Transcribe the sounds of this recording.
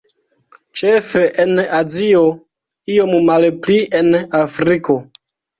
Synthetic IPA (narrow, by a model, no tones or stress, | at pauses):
t͡ʃefeʔenazio | iommalplienafɾiko̞